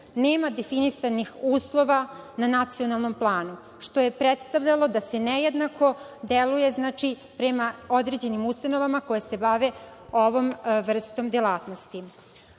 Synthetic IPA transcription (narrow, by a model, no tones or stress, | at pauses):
neːmad̪efinisanixuːslˠo̞ʋananat̪sio̞nalˠno̞mplˠaːnu | ʂt̪o̞je̞pɾet̪st̪aʋʎalo̞d̪ase̞nejed̪nakʰo̞ | d̪eluje̞znaːt͡ʂi | pɾemao̞d̪ɾe̞ːd͡ʑe̞nimust̪ano̞ʋamako̞jese̞baʋeo̞ʋo̞mʋr̩st̪o̞md̪jelˠaːt̪no̞st̪i